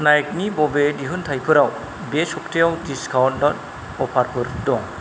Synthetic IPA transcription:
najk̚nibɔbediɦɯnt̪ʰajpʰɯɾaw | besɔktʰijawdiskʰawntdɔt | ɔpʰaɾpʰɯɾdɔŋ

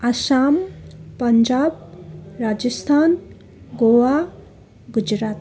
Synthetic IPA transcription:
asampɐɲd͡ʒab̚ɾad͡ʒəst̪ʰan | ɡowa | ɡud͡ʒɾat̪̚

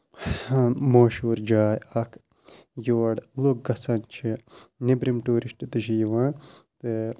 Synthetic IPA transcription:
moːʃuːɾd͡ʒaːjɐkʰ | joːɽluk̚ɡɐsɐnt͡ʃʰinibɾimʈuːɾisʈt̪ɨʃijiʋãːt̪ɨ

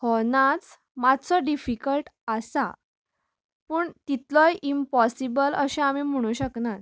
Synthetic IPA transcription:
hɔnat͡s | mad̪t͡sɔɖifikəlʈasa̰ | pəːɳt̪it̪lɔjʔimpɔsibələɕẽamiːm̤əɽ̃ũɕəknat̪

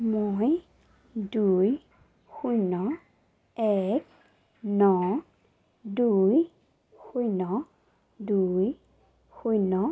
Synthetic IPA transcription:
moj | duj | xujnɔ | ɛk̚ | nɔ | duj | xujnɔ | duj | xujnɔ

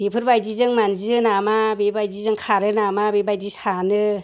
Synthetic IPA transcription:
bepʰɯɾbajdizɯŋmanziɯnamabebajdizɯŋkʰaɾɯnamabebajdisanɯ

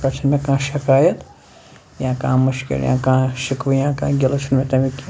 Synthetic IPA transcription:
kat͡ʃʰɨnmẽkãːʃikaːjɐt̪ | jãːkãːmɨʃkḛɾjã̰ːkãːʃikʋɨjãːkã̰ːɡʲelot͡ʃʰunmẽt̪ɐmĩkʲi

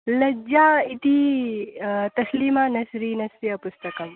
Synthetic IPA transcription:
lɐd͡ʒait̪i | t̪ɐslimanɐsɾinɐsɾiɐpust̪ɐkɐm

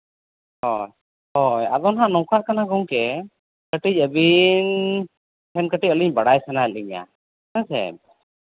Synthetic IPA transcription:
hɔj | hɔja̰d̪ɔnɦaʔnɔwkaʔkanaɡɔŋkɛ | kəʈic̚əbin | hɛnkəʈicɔliɲbaɽajsɛnaəliɲa̰ | asɛ̰m

